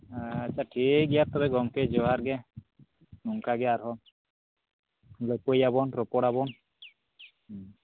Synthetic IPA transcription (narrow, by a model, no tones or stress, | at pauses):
at͡ʃːʃʰaʈʰik̚ɡɛjat̪ɔbɛɡɔŋked͡ʒɔɦaɾɡɛ | nuŋkaɡɛaɾɦɔ | lɔjpojabɔnɾɔpɔɽabɔn